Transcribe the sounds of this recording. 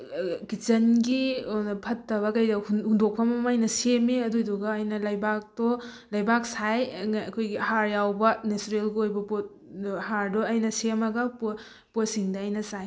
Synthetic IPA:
kit͡ʃɐnɡipʰɐtːɐβɐkɐjdɐhhundok̚pʰɐmɐmajnɐsemeɐdojduɡɐːjnɐlɐjbak̚tɔ | lɐjbak̚sajkʰojɡihaɾjawbɐnesɾelɡiojbɐpot̚ | haɾdɔɐjnɐsemɐɡɐpo | potsiŋdɐɐjnɐsaj

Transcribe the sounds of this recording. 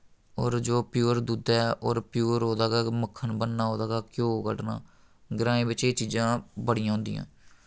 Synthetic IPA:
ɔːɾd͡ʒoːpjuːəɾd̪uːd̪ɛːɔːɾpjuːɾɦoːd̪aːɡaːməkʰːənbənːaːɦoːd̪aːɡaːkjõːɡə̰ɖna̰ː | ɡɾãːĩːbɪt͡ʃeːt͡ʃiːzãːbəɽɪjãːɦʊ̃nd̪ḭjã̰ː

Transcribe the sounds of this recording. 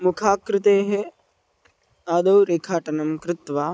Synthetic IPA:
mukʰaːkɾɪt̪eːɦe | aːd̪ɐwɾeːkʰaːʈɐnɐmkɾɪt̪ʋaː

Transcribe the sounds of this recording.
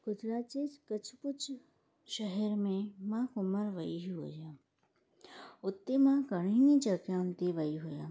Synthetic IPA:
ɡ̥ʊd͡ʒɾaːt͡ʃed͡ʒkət͡ʃʰpʊt͡ʃ | ʃəɦɛɾmẽmãkʊməɾʋəiɦɦo̰d͡ʒjã | ʊt̪ːemãkəɳ̃inid͡ʒəkjãnt̪eʋaiɦoja

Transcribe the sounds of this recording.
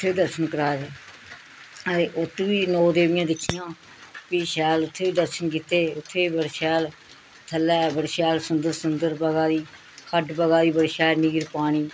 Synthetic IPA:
ʊt̪ʰːeːiːd̪əɾʃənkəɾaːd̪eː | əɾeːʔʊt̪ʋiːnɔːd̪eːʋɪjãːd̪ɪkʰːɪjãː | piːʃɛːlʊt̪ʰːeːʋiːd̪əɾʃənk̬iːt̪eːʊt̪ʰːeːiːbəɽʃɛːl | t̪ʰəlːɛːbəɽʃɛːlsʊnd̪əɾsʊnd̪əɾbəɡaːd̪iː | kʰəɖbəɡaːd̪iːbəɽʃɛːɾniːɡəɾpaːɽ̃iː

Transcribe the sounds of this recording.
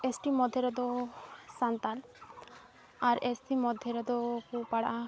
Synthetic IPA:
esʈimɔd̪ʱːeɾɔd̪ɔsant̪al | aɾesʈimɔd̪ʱeɾɔd̪ɔkupaɽʔa

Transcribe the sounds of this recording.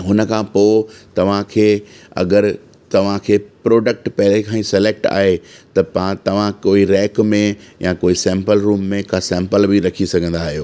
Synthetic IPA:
ɦʊnəkʰãːpoːt̪ɐʋ̤ãkʰeːɐ̰ɡəɾ | t̪ɐʋ̤ãkʰeːpɾoːɖək̚ʈpɐɦɪlekʰãːĩsɪleːk̚ʈa̰ːɦet̪ɐpat̪ɐʋ̤ãkoːiɾɛːkmẽjãkoːisɛ̃ːmpəlɾuːmːẽkʰasɛ̃mpəlbiɾɐkʰisɐɡʱə̃nd̪aːɦijoː

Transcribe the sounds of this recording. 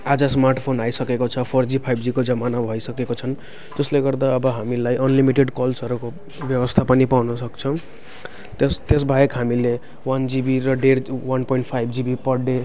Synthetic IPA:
ad͡zasmarʈpʰonajsʌkekot͡sʰʌpʰʌrd͡zipʰajbd͡zikod͡zʌmanabʱʌjsʌkekot͡sʰʌn | d͡zʌsleɡʌrd̪aʌbʌɦamilajʔʌnlimiʈeɖkʌlsʌɾuko | bjʌbʌst̪ʰapʌnipawnʌsʌkt͡sʰʌ̃ | t̪st̪esbʱajekɦamile | wand͡zibiɾʌɖerwanpoiɳʈ̚pʰajbʱd͡zibipʌɽe

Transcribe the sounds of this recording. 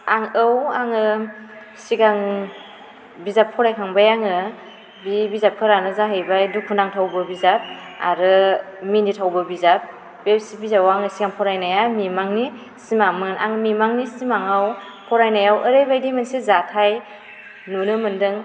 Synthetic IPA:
aŋɯwaŋɯ | siɡaŋ | bizap̚pʰɔɾajkʰaŋbajaŋɯ | bibizap̚kʰɯɾanazaɦɯjbajdukʰːunaŋtʰawbɯbizap̚a̰ɾɯminitʰawbɯbizap̚ | bepsibizawaŋɯsiɡaŋpʰɔɾajnajamimaŋni | simamɯnʔa̰ŋmimaŋnisimaŋaw | pʰɔɾajnajawʔəɾɯjbajdimɯnsezatʰaj | nunɯmɯndɯŋ

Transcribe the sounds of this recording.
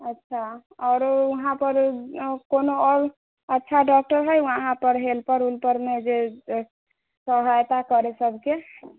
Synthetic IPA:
ətːʃʰaɔɾuɦãpəɾkonoɔɾ | ətːʃʰaɖɔk̚ʈəɾɦəjwəɦãpəɾɦelpəɾulpəɾmed͡ʒe | səɦajt̪akəɾesəbʱke

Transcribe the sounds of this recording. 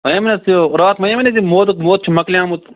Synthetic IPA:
mɐjɐmɐnɐsijoɾaːt̪mɐjɐmɐnezimoːd̪ɨkmoːt̪̚t͡ʃʰimɐklʲjãːmut̪

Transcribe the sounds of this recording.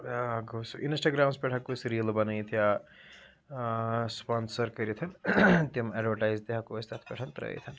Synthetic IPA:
ɡosṵʔinsʈaɡɾaːmspɛʈʰakosɾiːlbɐnɐjt̪ʰija | spansɐɾkəɾit̪ʰɐnt̪ɐmaɖʋɐɾʈajzd̪eɦakost̪at̪ʰpɛʈʰɐnt̪ɾɐ̰jt̪ʰɐn

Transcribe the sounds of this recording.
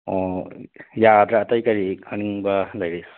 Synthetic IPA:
ɔ | jadɾɐːtajkɐɾiɐniŋbɐlɐjɾes

